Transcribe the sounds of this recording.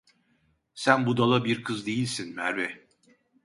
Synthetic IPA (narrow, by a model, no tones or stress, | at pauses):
sænbud̪alˠabiɾkʰɯzd̪e̞jilʲsinmæɾbɛ